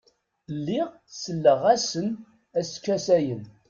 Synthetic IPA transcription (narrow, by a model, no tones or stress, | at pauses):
lːɪʁ | səlːəʁæsən | æskːæsæjən